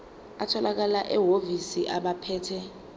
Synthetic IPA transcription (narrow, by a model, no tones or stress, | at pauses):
atʰɔlak̬alaʔɛɦovisiʔaɓapʰɛːtʰɛ